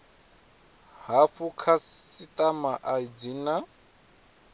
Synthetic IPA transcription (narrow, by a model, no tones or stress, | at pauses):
ɦaɸukʰaitʼamaʔaid͡zina